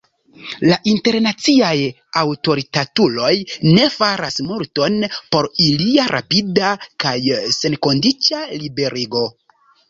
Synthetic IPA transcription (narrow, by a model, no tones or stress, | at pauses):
laʔinte̞ɾnat͡siaj | awto̞ɾitatulo̞jne̞faɾasmuɾto̞npo̞ɾiliaɾʔa̰pidakajse̞nko̞ndit͡ʃalibe̞ɾiɡo̞